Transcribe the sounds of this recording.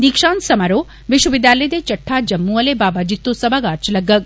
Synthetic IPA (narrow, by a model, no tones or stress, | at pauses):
d̪ikʃaːnsɐmaɾoː | ʋiʃwɐʋid̪jaːlɐjd̪et͡ʃɐʈʰːaːd͡ʒɐmːuɐlebaːbad͡ʒit̪ːosɐbʱaɡaːɾt͡ʃlɐɡːɐk̚